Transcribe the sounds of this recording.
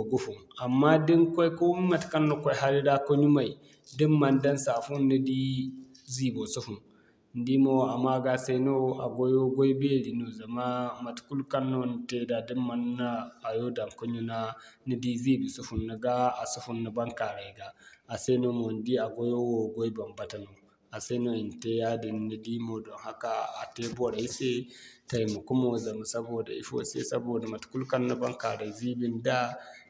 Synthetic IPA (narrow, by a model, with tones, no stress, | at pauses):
o˨ɡu˦fu˨ma˨mːa˦di˦ŋko˦jko˦m˦ma˨tka˦nːo˨ko˦ɦa˦li˦da˦ko˦ɲu˦ma˨i˨ | di˦mːa˨nda˦nsa˨fu˦nːi˦di˦ | zi˦bo˨su˦fu˨n | n˦di˦mo˦˨a˨ma˦ɡa˦se˦no˦a˨ɡo˦jo˦ɡo˦jbe˦li˨no˨za˨ma˦ma˨tku˦lka˦nːo˦n˨te˦da˨di˦mma˨nːa˦a˨jo˦da˨nko˦ɲu˦na˦ | ni˦di˦zi˦bi˨su˦hu˨nːa˨ɡa˦a˨su˦hu˦nːa˨ba˦ŋka˨ɾa˨i˨ɡaː˨se˦no˦mo˨ndi˦a˨ɡo˦jo˦wo˨ɡo˦i˦ba˨mba˨ta˨no˨ | a˨se˦no˦˨i˨n˨te˦ja˦di˨nːi˦di˦mo˨dɔ˨ŋha˦ka˨a˨te˦bo˦ɾa˨i˦se˦ta˨i˨mu˨ku˦mo˨za˨ma˨sa˦boː˨da̰˨ḭ˦fo̰˦sḛ˦sa˦boː˨da˨ma˨tku˦lka˦nːo˦ba˦ka̰˨ɾa˨zi˦bi˦nda˦